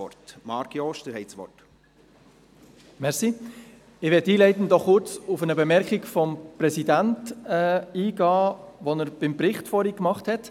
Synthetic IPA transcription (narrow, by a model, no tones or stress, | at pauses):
ɔ̰ɾtmɑːɾkjɔːʃtəɾhɛɪsʋɔ̰rt | mɛɾsi | ɪʋɛtiːlɛɪtən̩d̥ɔχːʊɾt͡sufənəbemɛɾkikfɔmpɾɛsidæntɛːiːɡɑːʋɔnəɾb̥ɪmpɾɪχtfɔɾikmɑχthɛt